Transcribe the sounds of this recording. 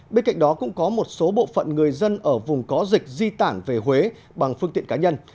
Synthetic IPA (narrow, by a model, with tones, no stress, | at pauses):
ɓe˧nka̰˧˨ŋ̟ɗɔ˨˦kʊ̰˧˥ŋ͡mkɔ˨˦mo˨˩t̚so˨˦ɓo̰˧˨fə̰˧˨nŋɨ˨˩əjzə˧nʔəː˧˩vʊ˨˩ŋ͡mkɔ˨˦zï˨˩k̟̚zi˧t̪aː˧˩nve˨˩ɦwe˨˦ | ɓa˨˩ŋfɨ˧ŋt̪ḭ˧˨əŋkaː˨˦ɲə˧n